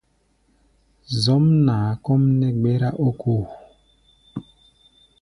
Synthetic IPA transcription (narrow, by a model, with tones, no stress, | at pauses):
zɔ˦mna˨˦kɔ˦m˦nɛ˦ɡ͡be˦ɾa˦ʔo˦kʰo˦˨